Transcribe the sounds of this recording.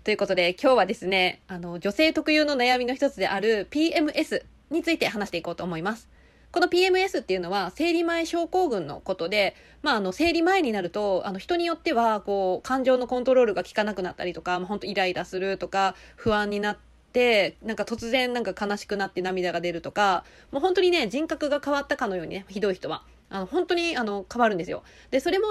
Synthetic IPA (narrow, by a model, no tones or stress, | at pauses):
t̪o̞jɯ̟ko̞t̪od̪e̞kʲo̞ːβad̪e̞sɨne̞ano̞d͡ʑo̞se̞ːt̪o̞kɯ̟jɨːno̞najamʲino̞çi̥t̪o̞t͡sɨd̪e̞̰ʔaɾɯ̟pʲiːe̞mɯ̟ʔe̞sɨ | ɲ̟it͡sɨit̪e̞ɦanaɕi̥t̪eiko̞ːt̪o̞ːmo̞imasɨ̥ | ko̞no̞pʲiːe̞mɯ̟e̞sɨt̪ːeiɯ̟no̞βase̞ːɾʲimaeɕo̞ːko̞ːɡɯ̟̃nːo̞̰ko̞t̪o̞d̪e̞ | maːno̞se̞ːɾʲimae̞ɲ̟inaɾɯ̟t̪o̞a̰no̞çi̥t̪o̞ɲ̟ijo̞t̪ːe̞β̞ako̞ːkãɲ̟d͡ʑo̞ːno̞kõnt̪o̞ɾo̞ːɾɯ̟ɡakʲi̥kanakɯ̟nat̪ːa̰ɾʲit̪o̞kamaɦo̞nt̪oiɾaid̪asɨɾɯ̟t̪o̞kaɸɯ̟βãɲ̟ːinat̪ːe̞nãŋkat̪o̞t͡sɨzẽ̞nːãŋkakanaɕi̥kɯ̟nat̪ːe̞namʲid̪aɡad̪e̞ɾɯ̟t̪o̞ka | mo̞ːɦõ̞nt̪o̞ɲ̟ine̞d͡ʑĩŋkakɯ̟ɡakaβat̪ːakano̞jo̞ːɲ̟ḭneçid̪o̞içi̥t̪o̞βa̰ | ano̞hõ̞nt̪o̞ɲ̟iano̞kaβaɾɯ̟nd̪e̞sɨjo̰ | d̪̥e̞so̞ɾe̞mo̞